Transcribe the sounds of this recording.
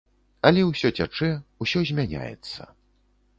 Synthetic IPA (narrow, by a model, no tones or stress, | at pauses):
ɐlʲɛwsʲɔt͡sʲat͡ʂɛusʲɔzʲmʲanʲa̰jɛ̰t̪sːɐ̰